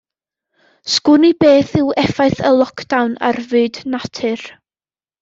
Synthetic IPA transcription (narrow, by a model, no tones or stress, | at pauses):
skʊnibeːθɪwɛfaɨθəlˠɔkʰd̥awna̰rvɨːdnatʰɨr